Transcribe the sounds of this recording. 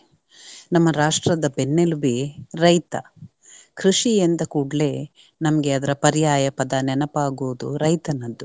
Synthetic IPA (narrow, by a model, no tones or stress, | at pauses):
nɐmːɐɾaːʂʈɾɐd̪ɐbenːelubiɾɐjt̪ɐ | kʰɾiʂijend̪ɐkuːɽle̞ː | nɐmɐɡeɐd̪ɐɾɐpɐɾjaːjɐpɐd̪ɐnɛnɐpaːɡoːd̪uɾɐjt̪ɐnɐd̪ːu